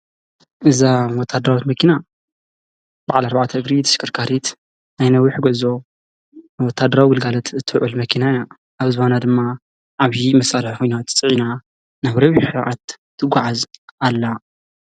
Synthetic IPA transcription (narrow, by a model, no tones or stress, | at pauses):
ʔɨzawɔt̪ʰːad̪ɐɾawit̪mɐkʰina | b̥aʕalaɾbaʕt̪ʰɐɨɡɾit̪ʰɨ̥ʃkʰɨɾkʰaɾit̪ | najnɐwiħɡɐzo | wɔt̪ʰːad̪ɐɾawiɡɨlɡalɐt̪ɨt̪ʰːɨʕɨlmɐkʰinaja | ʔaβzɨβanad̪ɨmːa | ʔaβimɐsʔalɐħxojnat̪ʰt͡sʼɨʕina | naβɾɐwiħɨʕat̪t̪ʰːɨɡʷaʕazalːa